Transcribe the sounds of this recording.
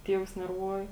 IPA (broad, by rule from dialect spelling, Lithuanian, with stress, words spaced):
ˈtʲiɛʋʊs nʲɛrˈʋuɔjɪ